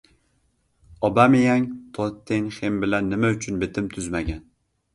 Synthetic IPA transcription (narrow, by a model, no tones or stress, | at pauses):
ɒbamɪjaŋt̪ʰɒt̪ʰːeŋχembɪlanːɪmaʊt͡ʃʰʊnbɪt̪ʰɪmt̪ʰʊzmaɡʲan